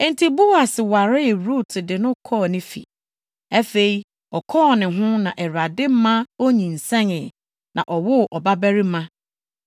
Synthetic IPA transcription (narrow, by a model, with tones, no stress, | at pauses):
ɛ̃˦n̩˦tʰi˨bu˦wa˨sɪ˨wa˨ɾɪ˦˨ɾu˦˨tʰɪ˨dɪ˨nʊ̃˦kʰɔː˦˨nɪ̃˦fḭ˨ | æ˦fe˨i˨ | ɔ˨kʰɔː˦˨nɪ̃˨ɦʊ̃˦nã˨ʔɛ˨ɾa˨dɪ˦m̩˦mã˦o˦ɲĩ˨n̩˨sɛ̃˦nɪ˨ | nʔã̰˨ʔɔ˨wʊ˦ʔɔ˨ba˦bæ˦ɾi˦mã˦